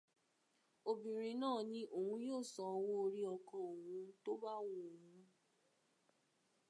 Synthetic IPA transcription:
o˨bĩ˨ɾ̃ĩ˧nãː˦˨nĩ˦ʔo˨hũ˧˦joː˦˨sɔ˨˧wo˦˧ɾi˦ɔ˧kɔ̃˧o˨hũ˧to˦ba˦wo˨˧o˨hũ˧

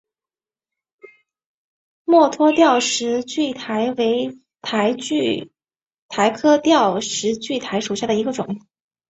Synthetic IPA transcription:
mwɔ˥˩t̪ʰwɔ˥t̪jɑ˥˩ʊʂɻ̩˧˥t͡ɕy˥˩t̪ʰa˧˥ɪwe˧˥ɪ | t̪ʰa˧˥ɪ˥˧ | t̪ʰa˧˥ɪkʰɤ˥t̪jɑ˥˩ʊʂɻ̩˧˥t͡ɕy˥˩t̪ʰa˧˥ɪʂu˨˩ɕja˥˩d̪ə˩i˧˥ɡə˧ʈ͡ʂʊ˨˩˦ŋ

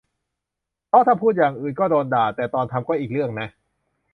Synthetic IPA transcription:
pʰɔ˦˥t̪ʰaː˥˩pʰuː˥˩t̪̚jaː˨˩ŋʔɯː˨˩nkɔː˥˩doː˧ndaː˨˩t̪ːɛː˨˩t̪ɔː˧nt̪ʰa˧mkɔː˥˩ʔiː˨˩k̚ɾɯ˥˩əŋna˦˥ʔ

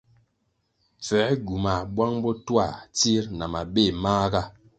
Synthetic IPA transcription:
p͡fɛ˨˦ɡu˨ma˨bwa˦ŋbɔ˦twa˦˨t͡si˦ɾna˨ma˨be˦˨maː˦ɡa˦

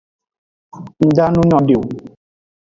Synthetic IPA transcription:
n̩˨da˦nũ˦ɲɔ̃˦ɖe˨o˨

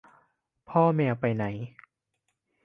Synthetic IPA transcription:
pʰɔː˥˩mɛː˧pa˧jna˩˦j

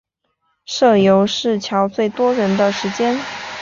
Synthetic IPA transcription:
ʂɤ˥˩jo˧˥ʊʂɻ̩˥˩t͡ɕʰjɑ˧˥ʊt͡swe˥˩ɪt̪wɔ˥ɻə˧˥nd̪ə˧ʂɻ̩˧˥t͡ɕjɛ˥n

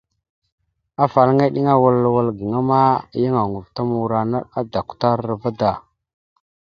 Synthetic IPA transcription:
a˦fa˨lŋa˦ɗi˦ŋa˦wa˨lːa˨wa˦lɡə˨ŋa˦ma˦˨ja˦ŋa˨ŋu˨vta˦mu˨ɾa˨na̰˦a˦da˨ku̥˨ta˦ɾɾa˨va˦da˨

